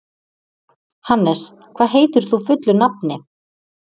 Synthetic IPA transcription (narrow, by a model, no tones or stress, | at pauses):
hanːɛs | kʰv̥aːðɦeːjt̪ʏɾ̥θufʏt̪lʏnapnɪ